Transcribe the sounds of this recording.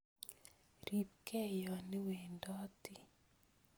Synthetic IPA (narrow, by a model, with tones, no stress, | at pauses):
ɾi˨p̚kɛ˦jɔ˨nɪ˦we˨ndɔ˦ti˦